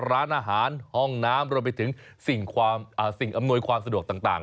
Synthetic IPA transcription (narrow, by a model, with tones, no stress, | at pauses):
ɾaː˦˥nʔaː˧ɦaː˩˦nhɔ˥˩ŋnaː˦˥mɾu˧əmp̬a˧jt̪ʰɯ˩˦ŋsi˨˩ŋkʰwaː˧mʔaː˨˩si˨˩ŋʔa˧mnu˧jkʰwaː˧msa˧du˨˩ək̚t̪aː˨˩ŋt̪a̰ː˨˩ŋ